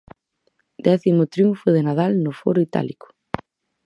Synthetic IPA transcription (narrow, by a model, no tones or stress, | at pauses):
d̪ɛθimʊt̪ɾjuɱfʊðenaðalnʊfɔɾʊit̪a̰likʊ̥